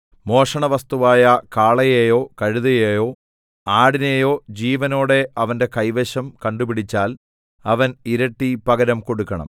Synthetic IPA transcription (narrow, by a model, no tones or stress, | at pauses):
mo̞ːʂɐɳɐʋɐst̪uʋaːjɐkaːɭɐjejo̞ːkɐɻuðɐjejo̞ː | aːɽinejo̞ːd͡ʑiːʋɐno̞ːɽe̞ɐʋɐnde̞kɐjʋeɕɐmkɐɳɖubiɽit͡ɕːaːl | ɐʋɐniɾɐʈːipɐɡɐɾɐmko̞ɽukːɐɳɐ̰m